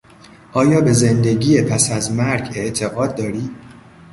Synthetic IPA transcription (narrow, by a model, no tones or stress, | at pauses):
ʔɒːjɒːbe̞ze̞nd̪e̞ɟiːjepʰæsæzmæɾɟe̞ʔt̪ʰe̞ɣɒːd̪̚ːɒːɾiː